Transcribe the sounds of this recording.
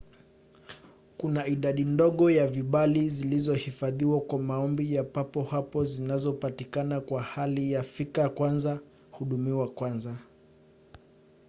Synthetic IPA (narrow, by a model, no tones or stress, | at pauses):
kunaiɗaɗindɔɠɔjaviɓalizilizɔhifaðiwakwamaɔmbijapapɔhapɔzinazɔpatikanakwahalijafikakwanza | huɗumiwakwanza